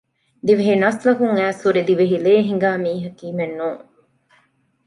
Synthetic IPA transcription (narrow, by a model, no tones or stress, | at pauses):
d̪iʋeɦinɐslɐkuŋæːsuɾid̪iʋeɦileːɦiŋɡaːmiːɦɐkiːmenːuːŋ